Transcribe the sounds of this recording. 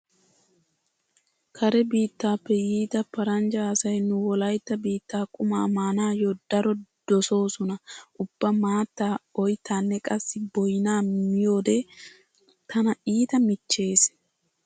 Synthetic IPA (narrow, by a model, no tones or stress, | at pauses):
kʰɐɾɛbiːt̪ːaːpːɛjiːt̪ɐpɐɾɐnd͡ʒɐːsɐjnʊwɔlɐjt̪ːɐbiːt̪ːaːkʼʊmaːmaːnaːjod̪̥ɐɾɔd̪̥ɔso̞ːsʊnɐʔʊbːɐmaːt̪ːaːɔjt̪ːaːnːɛkʼɐsːɪbɔjɪnaːmɪjo̞ːd̪ɛ | t̪ɐnɐiːt̪ɐmɪt͡ʃːe̞ːs